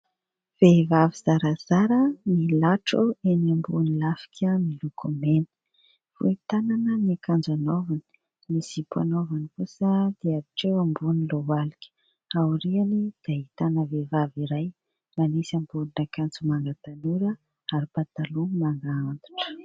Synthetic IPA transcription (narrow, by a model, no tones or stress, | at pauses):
v̥evaviz̥aɾaz̥aɾənilaʈ͡ʂuenambunilafi̥kʰʲəmilukʰomenə̥ | v̥ṵit̪ananəniakand͡ʒanovani̥ | misipʰanovanifusəd̪̥iaɾiʈ͡ʂewambunilowalikʲə̥ | auɾianid̪̥ait̪anəvevaviɾaj | manisambulinakand͡zumaŋɡat̪anuɾə | aɾipat̪alumaŋɡaand̪u̥ʈ͡ʂə̥